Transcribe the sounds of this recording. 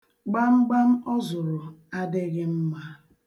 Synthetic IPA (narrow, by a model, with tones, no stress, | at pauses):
ɡ͡ba˦ŋ͡m̩˦ɡ͡ba˦m̩˦ɔ˦zʊ˨ɾʊ˨a˦dɪ˦ɣɪ˦m̩˦ma˦